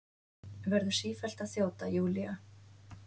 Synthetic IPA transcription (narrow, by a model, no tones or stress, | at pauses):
vɛɾðʏ̥siːfɛl̥t̪aθjoːwt̪ajuːlia